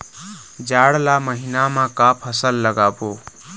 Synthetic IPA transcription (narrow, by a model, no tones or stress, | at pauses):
d͡ʒaɽlaməɦinamãkapʰəsəlːəɡabo